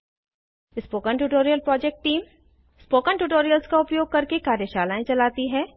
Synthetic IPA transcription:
spoːkəɳʈuːʈoːɾijəlpɾɔːd͡ʒeːk̚ʈʈːiːm | spoːkənʈuːʈoːɾijəlskaʊpjoːɡ̚kɐɾkekaːɾjəʃaːlaːẽt͡ʃɐlaːt̪iɦɛ̃ː

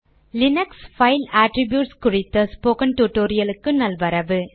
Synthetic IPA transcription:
lɪnɐksfɐɪlaːʈɾɪbjuːʈskʊɻɪt̪ːɐspoːkɐnʈuːʈːoːɾɪjɐlɯkːɯnɐlʋɐɾɐʋɯ

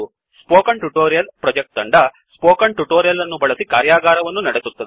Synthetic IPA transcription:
spoːkɐɳʈuʈoːɾijɐlpɾɐd͡ʒek̚ʈ̪ɐɳɖɐ | spoːkɐɳʈuʈoːɾijɐlːɐnːubɐɭɐsikaːɾjaːɡaːɾɐʋɐnːunɐɽesut̪ːɐd̪e

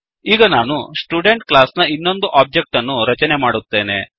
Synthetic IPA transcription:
iːɡɐnaːnusʈuːɖe̞ɳʈklaːsnɐinːo̞nd̪uʔaːp̚d͡ʒe̞k̚ʈɐnːuɾɐt͡ʃɐnemaːɽut̪ːe̞ːne̞̰

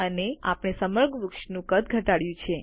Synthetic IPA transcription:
ənea̰pɳ̃esəməɾɡʱʋʊkʃnũkət̪̚ɡʱəʈaɽjũt͡ʃʰe

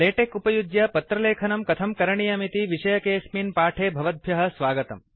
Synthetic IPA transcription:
leːʈekupɐjud̪jɐpɐt̪ɾɐleːkʰɐnɐmkɐt̪ʰɐmkɐɾɐɳijɐmit̪iʋiʃɐjɐkeːsminpaːʈʰeːbʱɐʋɐd̪̚ʱbʱjɐɦɐ̆sʋaːɡɐt̪ɐ̰m

